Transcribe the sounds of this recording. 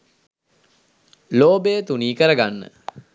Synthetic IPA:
loːbejət̪uniːkəɾəɡanːə̰

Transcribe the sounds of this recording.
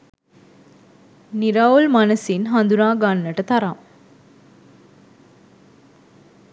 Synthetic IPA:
niɾaːolmanəsinɦɐnd̪unaːɡanːəʈət̪ɐɾam

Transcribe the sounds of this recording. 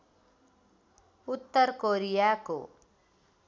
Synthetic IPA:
ut̪ːʌɾkoɾijako̰

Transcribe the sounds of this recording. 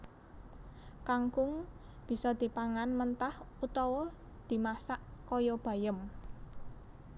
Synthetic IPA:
kaŋkʊŋ | b̥i̤sɔd̪̥i̤paŋanmənt̪ahut̪ɔwɔ | d̪̥i̤masaʔkɔjɔb̥ä̤jəm

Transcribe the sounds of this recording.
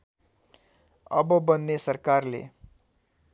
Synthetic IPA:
ʌ̰bʌbʌnːesʌrkarlḛ

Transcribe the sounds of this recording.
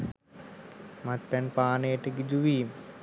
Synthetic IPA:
mat̪pɛnpaːnəjəʈəɡid͡ʒuʋiːmə

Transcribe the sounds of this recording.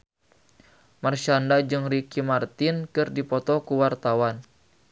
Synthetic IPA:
marʃandad͡ʒɨŋrikimart̪inkɨrdipɔt̪ɔkuwart̪awan

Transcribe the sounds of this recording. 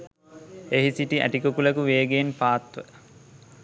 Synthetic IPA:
eɦisiʈiʔæ̰ʈikokulɐkuʋeːɡeːnpaːt̪ʋə

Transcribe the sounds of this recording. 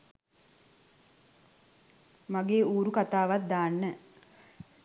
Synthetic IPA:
maɡeːuːɾukat̪aːʋat̪̚d̪aːnːə

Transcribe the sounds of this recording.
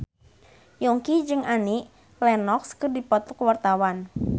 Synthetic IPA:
jɔŋkid͡ʒɨŋaniʔ | lɛnɔkskɨrdipɔt̪ɔkwart̪awan

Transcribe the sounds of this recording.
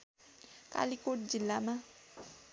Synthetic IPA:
ka̰likoʈ̚d͡zilːamã

